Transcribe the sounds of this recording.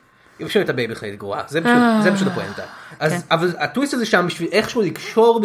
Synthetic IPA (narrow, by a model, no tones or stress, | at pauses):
jifʃimet̪abejbiχlaḭt̪ɡʁoa̰zepʃuzepaʃutlapoḛnt̪a̰ʔazavalatwist̪azeʃambiʃvilʔeχʃuliɡʃo̞ʁb